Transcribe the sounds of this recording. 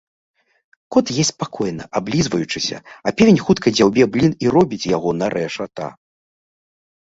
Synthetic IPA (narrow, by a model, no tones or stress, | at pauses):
kɔt̪jɛsʲpakʰɔjnɐ̰ʔablʲizvɐjut͡ʂɨsʲɐ̰ɐpʲevʲenʲxut̪kɐjd͡zʲawbʲɛblʲiniɾɔbʲit͡sʲjaɣɔnɐɾʔɛʂat̪a̰